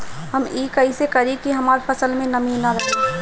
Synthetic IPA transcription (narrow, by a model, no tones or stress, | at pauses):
ɦɐmiːkɐisekɐɾikiɦɐmaːɾpʰɐsəlmẽnɐminɐɾɐke